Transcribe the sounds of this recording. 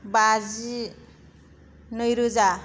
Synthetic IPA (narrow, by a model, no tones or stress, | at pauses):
bazi | nʌjɾuza